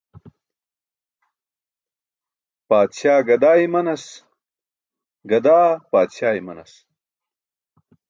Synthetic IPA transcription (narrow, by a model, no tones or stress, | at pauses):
paːd̪ɕaːɡɐd̪aːimɐnɐs | ɡɐd̪aːpaːd̪ɕaːimɐnɐs